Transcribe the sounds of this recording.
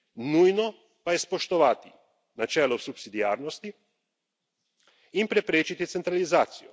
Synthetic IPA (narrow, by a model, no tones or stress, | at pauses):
nuːjno | pajespoʃt̪oʋat̪i | nat͡ʃeːlosupsid̪iaːɾnost̪i | impɾepɾeːt͡ʃit̪it̪sent̪ɾalizaːt̪siju